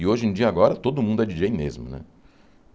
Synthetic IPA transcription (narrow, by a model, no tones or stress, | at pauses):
ɪoʒẽj̃d͡ʒiɐaɡɔɾɐt̪od̪ʊmũd̪ʊɛd͡ʒɪd͡ʒejmezmʊnɛ̰